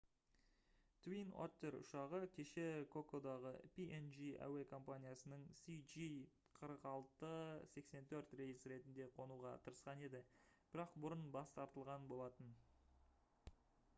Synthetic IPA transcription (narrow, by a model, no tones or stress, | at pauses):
t̪wino̰t̪ːe̞ɾʊ̰ʃɑʁəkʲʰe̞ʃe̞kʰo̞kod̪ɑʁəpʲiʔenʒiæ̰we̞kʰo̞mpanʲijasənəɴsid͡ʒi | qʰəɾəqɑlˠt̪əse̞kse̞nt̪ʰɵɾt̪re̞jsɾe̞t̪ɪnd̪e̞qʰo̞nuʁɑt̪ʰəɾəsqɑne̞d̪ɪb̥ɪɾɑqbʊɾənbɑst̪ɑɾt̪əlˠʁɑnbo̞lˠɑt̪ən